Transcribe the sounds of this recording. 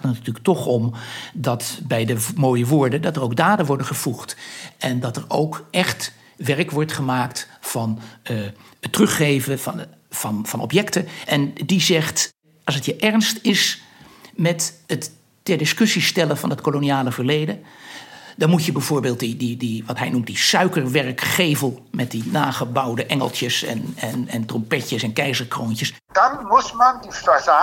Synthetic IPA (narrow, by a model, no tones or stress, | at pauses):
tnətyːlək̚tɔχɔmdɑtbɛjdəmoːjəʋʊːɹdədɑtərowɡ̚daːdənʋɔɹdəχəv̥uχtʔɛndɑtəɹowkʔɛχt | ʋɛɹkʋɔɹtχəmaːktfɑn | ətrɵχːejvəvɑn | v̥ɑnvɑnɔ̰pjɛktəʔɛndizɛχt | ɑlˠsətjəʔɛɹnstɪs | mɛtətː | ɛrdɪskɵsistɛlənvɑnətkoloniaːləvərlejdən | dɑnmutjəbɛjvoːɹbeːlˠt̚dididiʋɑtɦɛjnumt̚disœɥkərʋɛɹkχejvəlˠmɛt̚dinaːχəbʌwdəʔɛŋə̰lˠtjəsɛ̰nɛnɛntrɔmpɛtəsɛnkɛjzəɹkroːncəs | d̥ɑnmutmɛndifəza